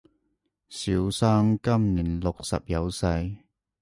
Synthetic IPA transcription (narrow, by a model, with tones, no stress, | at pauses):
si˨˥wsaː˥mkɐ˥mniː˨˩nlʊ˨k̚sɐ̰˨p̚jɐ˨˧wsɐ˧j